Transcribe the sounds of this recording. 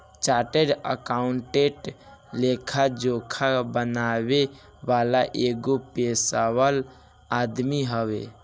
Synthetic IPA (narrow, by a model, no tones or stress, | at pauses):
t͡ʃaʈeɖə̰kauɳʈeʈlekʰad͡ʒokʰabənaβe | balaʔeɡopesawəl | ad̪miɦəβḛ